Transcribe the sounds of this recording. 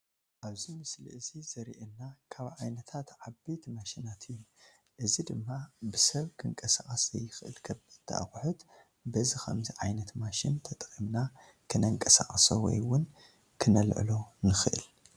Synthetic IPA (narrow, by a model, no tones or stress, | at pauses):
ʔaβzimɨsliʔɨzizɐɾiʔenːakʰaβʕajnɐt̪ʰat̪ʕabejt̪maʃinat̪ʰɨjːum | ʔɨzid̪ɨmːabɨsɐβkʰɨŋkʼɐsaχʼɐsɐ̰jːɨxʔɨ̰lkʰɐβɨt̪ʰɐ̰ʔa̰xħʊt̪ | bɐzixɐ̰mziʕajnɐt̪maʃint̪ʰɐt̪ʼkʼimna | kʰɨnɐŋkʼɐsa̰χʼɐso̰wɔ̰jwʊn | kʰɨnɐlʕ̰lonɨxɨʔɨ̰l